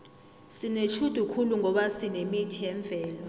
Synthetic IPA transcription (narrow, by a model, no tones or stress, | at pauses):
sinet͡ʃʰud̥ʱukʰuluŋʱɔɓasinemitʰijɛɱb̪vʱɛːlɔ